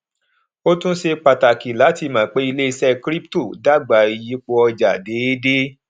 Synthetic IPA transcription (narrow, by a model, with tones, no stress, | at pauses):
o˦tũ˦se˧k͡pa˨ta˨ki˨la˨˦ti˧˨mã˨k͡pe˨˦i˧le˦i˧sɛ˦kɾi˦p̚to˦˨da˦ɡ͡ba˨˦i˧ji˨˦k͡po˧ɔ˧d͡ʒa˨de˨˦de˦